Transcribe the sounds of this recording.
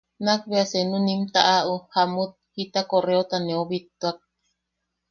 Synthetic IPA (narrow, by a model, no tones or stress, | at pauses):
nak̚βeasenũnimt̪aʔaʔuhamut̪̚hit̪akoreot̪anẽuβit̪ːuak̚